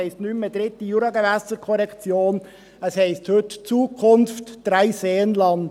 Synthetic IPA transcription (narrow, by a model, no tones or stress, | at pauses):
ɛɪstnyməd̪ɾɪt̪ːijuɾɑɡevæsəɾkʰɔɾɛkt͡sjoːn | əshɛɪsthɵtt͡suːkʰʊnftd̥ɾaɪseːənlɑnd